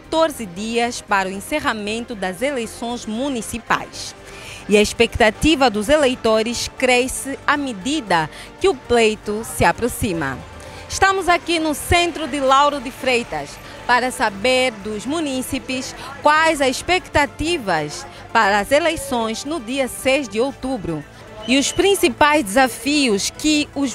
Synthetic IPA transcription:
kat̪oɾzɪd̪iɐspaɾʊẽseʁamẽnt̪ʊd̪ɐzelejsõj̃zmũnisipa̰js | iɐiʃpekt̪at̪ivɐd̪ʊzelejt̪oɾɪskɾɛsɪɐmɪd̪id̪ɐ | kɪʊplejt̪ʊsɪapɾosĩmɐ̰ | ɪʃt̪ɐ̃mʊzakinʊsẽnt̪ɾʊd̪ɪlawɾʊd̪ɪfɾejt̪ɐs | paɾɐsabeɾd̪ʊzmũnisipɪskwajzɐziʃpekt̪at̪ivɐs | paɾɐːzelejsõj̃znʊd̪iɐsejzd̪ɪowt̪ubɾʊ | iʊspɾĩsipajzd̪ɪzafiʊskɪʊz

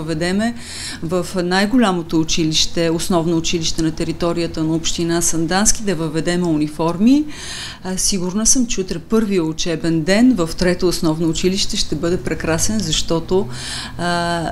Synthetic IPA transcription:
əvɛd̪ɛmɛ | vɐfnajɡʊlʲamot̪oːt͡ʃiliʃt̪ɛʊsnɔvnoːt͡ʃiliʃt̪ɛnɐt̪ɛɾit̪ɔɾijət̪ənɐopʃt̪inasɐnd̪anskid̪ɐvəvɛd̪ɛmɛunifɔɾmi | siɡʊɾnəsəmt͡ʃɛʊt̪ɾɛpɤɾvijəʊt͡ʃɛbɛnd̪ɛnvəft̪ɾɛt̪oːsnɔvnoːt͡ʃiliʃt̪ɛʃt̪ɛbɤd̪ɛpɾɛkɾasɛnzɐʃt̪ɔt̪o

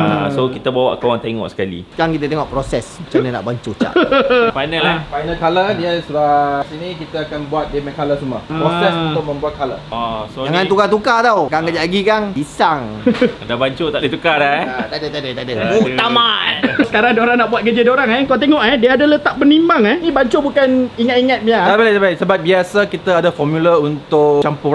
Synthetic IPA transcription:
ə̰sokit̪abawa̰ʔkoaŋt̪eŋɔ̰ʔsə̥kalḭkaŋkit̪at̪eŋɔʔpɾosɛsmut͡ʃanana̰ʔbaɲt͡ʃot͡ʃa̰ʔfajnəlafajnəlkaladiasubasinĩkit̪aːkanbuat̪̚dəməkalasumappɾosɛsunt̪ʊk̚mə̃mbuat̪̚kala̰ɔsod͡ʒaŋãnt̪ukat̪̬ukat̪awkaŋkad͡ʒalaɡikaŋbisaŋdabaɲt͡ʃot̪aʔdit̪ukadaat̪adət̪adət̪adəut̪amasə̥kaɾaŋdoɾaŋnaʔbuat̪̚kəd͡ʒədoɾaŋɛkoat̪eŋɔʔɦɛdiaadalət̪aʔp̚bənimaŋɛnĩbaɲt͡ʃobukaniŋat̪̚iŋat̪̚miat̪abilaabajsəbat̪̚biasakit̪aadafɔmjuləunt̪ʊʔt͡ʃampu

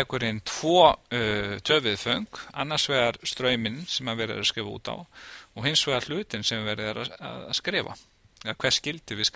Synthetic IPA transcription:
ɛkʏɾent̪ʰv̥ɔː | t̪ʰœːvɪðfœɥŋka̰nːaɾ̥svɛːðaɾ̥st̪ɾœːɥmɪnsɛmaðvɛːɾɪ̰ða̰skɾɪːvaṵːt̪a̰wɔɣɦɪnsvɛːɣaɾl̥ʏːt̪ɪnsɛmvɛɾɪðaɾaa̰ða̰ðskɾɪːva̰ | ɛakʰvɛɾ̥scɪlt̪ɪvɪs

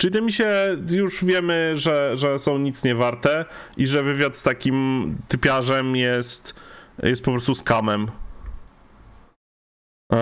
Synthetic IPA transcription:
t͡ʂɨɲɛmʲiɕɛjuʐvʲjɛmɘʐɛʐɛsɔ̃w̃ɲit̪sɲɛvaɾt̪ɛiʐɛvɘvʲjat̪st̪akʲimt̪ɘpʲjaʐɛmjɛst̪jɛ̰st̪̚pɔpɾɔst̪uskamɛm

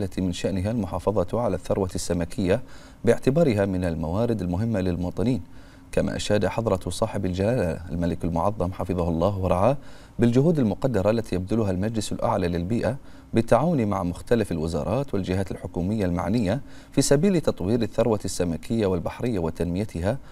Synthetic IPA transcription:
lːat̪ʰimɪnʃaʔnɪɦalmʊħɑːfɑðˤɑt̪ʕalaθːɑɾˤwasːamakʰɪjːa | bɪʕt̪ɪbɑːɾɪɦamɪnalmawaːɾɪd̪ɪlmʊɦɪmːalɪlmʊwɑːt̪ˤɨniːn | kama̰ːʔa̰ʃaːd̪aħɑðˤɾˤɑsˤɑːħɪbɪld͡ʒalaːla̰lmalɪkɪlmʊʕɑðˤːɑmħɑfɨðˤɑhʊlˤːɑːɦwɑɾˤɑʕaː | bɪld͡ʒʊɦuːd̪ɪlmʊqɑd̪ːɑɾˤɑʔlːat̪ijab̚d̪ʊlʊɦalmad͡ʒlɪsɪ̰lʔa̰ʕlaːlɪlbiːʔa | bɪt̪ːaʕaːwʊnimaʕmʊxt̪alafɪlwɪzɑ̰ːɾˤɑːt̪wɪld͡ʒɪɦaːt̪ɪlħʊkuːmɪjːalma̰ʕnɪjːa | fiːsabiːlt̪ɑt̪ˤwiːɾɪθːɑɾˤwasːamakʰɪjːawɪlbaħɾɪjːawɪt̪anmɪjat̪ʰɪɦa

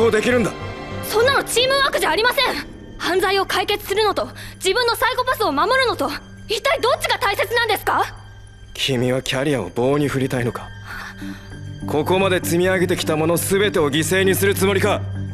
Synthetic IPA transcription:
od̪e̞kʲiɾɯ̟nd̪asõ̞nːano̞t͡ɕiːmɯ̟βaːkɯ̟ʑaːɾʲimasẽ̞ŋ | hãnd͡zaio̞kaike̞t͡sɨ̥sɨɾɯ̟no̞t̪o̞d͡ʑibɯ̟̃nːo̞saiko̞pasɨo̞mamo̞ɾɯ̟no̞t̪o̞ | it̪ːaid̪o̞t͡ɕːiɡat̪aise̞t͡sɨnãnd̪e̞sɨ̥ka | kʲʰimʲiβakʲaɾʲijao̞̰bo̞ːɲ̟iɸɯ̟ɾʲit̪aino̞kḁ | kʰo̞ko̞mad̪e̞t͡sɨmʲiaɡe̞t̪e̞kʲi̥t̪amo̞no̞sɨbe̞t̪e̞o̞ɡʲise̞ːɲ̟isɨɾɯ̟t͡sɨmo̞ɾʲika

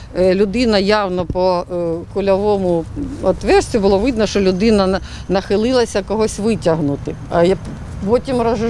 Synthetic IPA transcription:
lʲʊd̪ɪnɐjawnɔpɔkʊlʲɐʋɔmʊɔt̪ʋɛsʲt͡sʲʊbʊlˠɔʋɪd̪nɔʃt͡ʃɔlʲʊd̪ɪnɐ | nɐxɪlˠɪlˠɐsʲɐkɔɦɔsʲʋɪtʲɐɦnʊt̪ɪ | ɐj | pɔtʲimrɐʒ

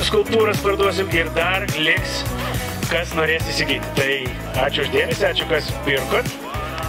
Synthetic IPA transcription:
skʊlˠp̚t̪uːɾɐspɐɾd̪uɔs̬ʲɪmɪɾd̪ɐrlʲɪks | kɐsnoːɾʲeːsisʲɪɡʲiːt̪ʲt̪ɐɪ | ɑːt͡ʃʲʊʊʒd̪ʲeːmʲɛsʲɪɑːt͡ʃʲʊkɐspʲɪɾkʊt̪

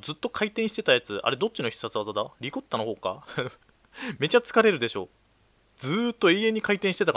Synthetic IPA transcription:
d͡zɨt̪ːo̞kʰait̪ẽɰ̃ɕi̥t̪e̞t̪ajat͡sɨa̰ɾe̞d̪o̞t̚t͡ɕːino̞çʲi̥sat͡sɨβazad̪aɾʲikot̪ːanoho̞ːka̰ | me̞t͡ɕat͡sɨ̥kaɾe̞ɾɯ̟d̪e̞ɕo̞̰ː | d͡zɨːt̪ːo̞iẽ̞ɲ̟ikait̪ẽ̞ɕi̥t̪e̞t̪ak

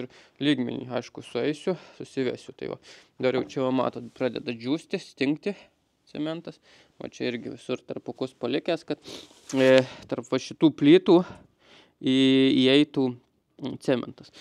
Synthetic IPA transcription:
ɪrlʲiːɡmʲɛ̰nʲḭːɐɪʃkʊsʊɛɪsʲʊsʊsʲɪʋʲæ̰sʲʊt̪ɐɪʋɐ̰d̪ɐbɐɾjɛʊt͡ʃʲɛʋɐmɑ̰ːt̪oːt̪pɾɑːd̪ʲɛ̰d̪ɐd͡ʒʲuːsʲt̪ʲɪsʲt̪ʲɪŋkt̪ʲɪ | t͡s̪ʲɛmʲɛnt̪ɐs | ʋɐ̰t͡ʃʲɛɪɾʲɡʲɪʋʲɪsʊrt̪ɐrpɐkʊspɐlʲɪkʲæːskɐt̪ | t̪ɐrpʋɐʃʲɪt̪uːpʲlʲiːt̪uː | iiːɛɪt̪uː | t͡s̪ʲæːmʲɛ̰nt̪ɐs

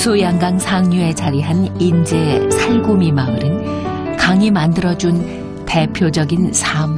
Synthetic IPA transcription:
sʰojaŋɡaŋsʰaŋɲue̞d͡ʑaɾiɦanind͡ʑe̞sʰaɭɡomimamɯɾɯnkaŋimandɯɾʌd͡ʑun | te̞pʰjod͡ʑʌɡinsʰam

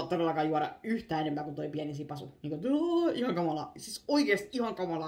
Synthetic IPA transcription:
t̪ːoɾelːɑkɑːjuɑɾɑ̰yht̪æːenempæːkut̪oipiænisiːpɑsṵniːŋkot̪uihɑŋkɑmɑlɑ̰sisoikeːst̪ihɑŋkɑmɑlɑ

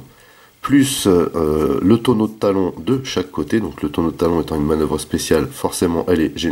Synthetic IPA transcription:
plys | lət̪onod̪ət̪alɔ̃d̪əʃakːot̪ed̪ɔ̃klət̪onod̪ət̪alɔ̃et̪ɑ̃ynmanœvʁəspesjalfɔʁsemɑ̃ʔɛlɛʒe

